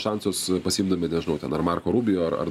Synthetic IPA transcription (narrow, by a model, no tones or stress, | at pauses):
ʃɑnsoːspɐsʲɪimd̪ɐmʲɪnʲɛʒʲɪnɐʊt̪ʲɛ̰nɐɾmɑːrkoːɾuːbʲɪjoːɐrɐ̰r